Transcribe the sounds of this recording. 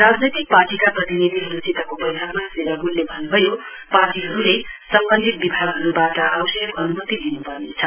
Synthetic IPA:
rad͡znʌjt̪ik̚parʈikaprʌt̪inid̪ʱiɦʌɾut͡sit̪akopʌjbʱaɡmaseɾaɡulːebʱʌnbʱʌjo | parʈiɦʌɾulesʌmbʌnd̪ʱit̪̚bibʱaɡʌɾubaʈʌʔawsʌjkʌnumʌt̪id̪inupʌrnet͡sʰʌ

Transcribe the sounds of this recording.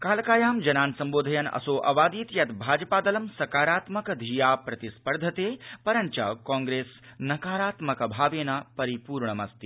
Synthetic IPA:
kaːlɐkaːjaːmd͡ʒɐnaːnsɐmboːd̪ʱɐjɐnɐ̰soːʔɐ̰ʋaːd̪iːt̪jɐt̪bʱaːd͡ʒɐpaːd̪ɐlɐmsɐkaːɾaːt̪mɐkɐd̪ʱiːjaːpɾɐt̪ispɐɾd̪ʱɐt̪eːpɐɾɐɲt͡ʃɐ̰kɔ̃ːŋɡɾeːsnɐkaːɾaːt̪mɐkɐbʱaːʋeːnapɐɾipuːɾɳɐmɐst̪i

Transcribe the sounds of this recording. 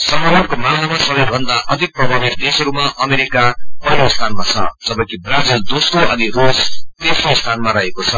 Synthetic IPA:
sʌmʌɦʌrkomanamasʌbʌjbʱʌnd̪aʔʌd̪ʱik̚prʌbʱabid̪esɦʌɾumaʔʌmeɾikapʌjnost̪ʰanmat͡sʰʌ̰d͡zʌbʌ̃kibrad͡zild̪osroʌnirust̪esnost̪ʰanmaɾaɦekot͡sʰʌ

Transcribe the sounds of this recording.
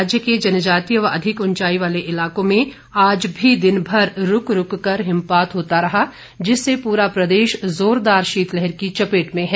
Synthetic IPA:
d͡ʒjəked͡ʒɐnəd͡ʒaːt̪ijəʋɐɾɐd̪ʱɪkʊ̃nt͡ʃaːiʋaːleʔɪlaːkõmẽ | aːd͡ʒbʱid̪ɪnbʱɐɾɾʊkɾʊkːɐɾɦɪ̃mpaːt̪ɦoːt̪aɾɐɦa | d͡ʒɪsːepuːɾapɾɐd̪eːʃzoːɾd̪aːɾʃiːt̪lɛɦɛɾkit͡ʃɐpeːʈmẽɦɛː

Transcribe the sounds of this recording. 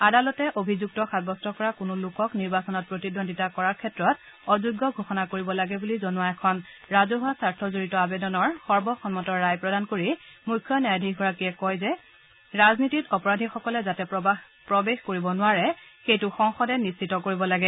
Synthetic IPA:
adalɔtɛʔobʱizuk̚tɔxʰat̚bɔstɔkɔɹakʊnʊlʊkɔkniɹbasɔnɔt̚pɹotidondʱitakɔɹaɹkʰɛtɹɔt | ɔzuɡːɔɡʱoxɔnakoɹibɔlaɡɛbulizɔnuaɛkʰɔn | ɹazɔɦʊasaɹtʰɔzoɹitɔabɛdɔnɔɹxɔɹbɔxɔnmɔtɔɹːajpɹɔdankoɹimujkʰːjɔnajadʱik̚ɡɔɹakijɛkɔjzɛ | ɹaznititɔpɔɹadʱixɔkɔlɛzatɛpɔa | pɹɔbexkoɹibɔnʊwaɹɛxejtʊxɔŋxɔdɛnist͡ʃʰitɔkoɹibɔlaɡɛ

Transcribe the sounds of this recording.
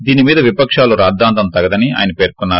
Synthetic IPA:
d̪iːnimiːd̪ɐʋipɐkʂaːluɾaːd̪ːaːnt̪ɐmt̪ɐɡɐd̪ɐnia̰ːjɐnɐpeːɾkunːaːɾu

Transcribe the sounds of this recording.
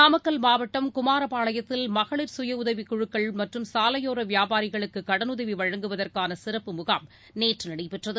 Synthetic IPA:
aːmɐkːɐlmaːʋɐʈːɐmkʊmaːɾɐpaːɭɐjɐt̪ːɪlmɐɣɐɭɪɾsʊjɐʊðɐʋikːɔɻɯkːɐɭmɐʈrɯmsaːlɐjoːɾɐʋɪjaːbaːɾɪɣɐɭɯkːɯkːɐɽɐnʊðɐʋiʋɐɻɐŋɡɯʋɐðɐrkaːnɐsɪrɐpːɯmʊɣaːm | neːʈrɯnɐɽɐɪpɛʈrɐðɯ

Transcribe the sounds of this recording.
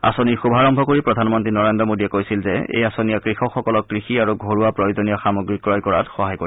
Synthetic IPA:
a̰soniɹxubʱaɹɔmbʱɔkoɹipɹɔdʱanmɔntɹinɔɹendɹɔmodiɛkojsilzɛ̰ḛjasonijakɹixɔxɔkɔlɔkːɹixiaɹuɡʱoɹuapɹɔjozonijɔxamoɡɹikɹɔjkɔɹa̰txɔɦajkoɹi

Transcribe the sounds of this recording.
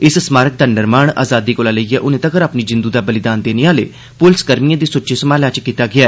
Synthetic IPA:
ɪssmaːɾək̚d̪aːnɪɾmaːɳa̰ːzaːd̪iːkoːlaːləiːɛːʔʊnẽːt̪əkəɾaːpniːd͡ʒɪnd̪uːd̪aːbəlɪd̪aːnd̪eːneaːlḛː | pʊlskəɾmijãːd̪iːsʊtːʃʰeːsəmaːlaːt͡ʃkiːt̪aːɡɪaːɛː

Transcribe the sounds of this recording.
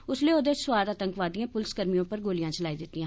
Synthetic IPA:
ʊsleːod̪əsʋaːd̪at̪ə̃ŋkʋaːd̪ijãːpʊlɪsɡəɾmijõːpəɾɡoːlijãːt͡ʃəlaːiːd̪ɪt̪ːiːã

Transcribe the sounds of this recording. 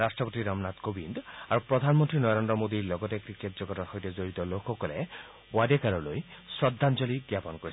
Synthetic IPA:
ɾasʈɾɔpɔt̪iɾɔmnat̪kobind̪aɾupɾɔd̪ʱanmɔnt̪ɾinɔɾend̪ɾɔmod̪iɾlɔɡɔtekɾiketd͡ʒɔɡɔtɔxɔjtezoɾit̪ɔlokʰɔkɔle | wadekaɾɔlojsɾɔd̪ʱːand͡ʒɔliɡɾjapɔnkɔɾis

